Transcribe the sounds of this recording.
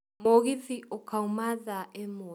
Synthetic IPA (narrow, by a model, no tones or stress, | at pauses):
moɣiðiɔkʰaumaðaʔɛmo